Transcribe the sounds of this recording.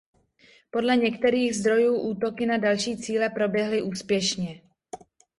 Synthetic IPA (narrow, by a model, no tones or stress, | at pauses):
po̞dlɛɲɛkt̪ɛɾiːɣzd̪ɾo̞juːʔuːt̪o̞kɪnadalʃiːt͡siːlɛpɾo̞bjɛɦlɪʔuːspjɛʃɲɛ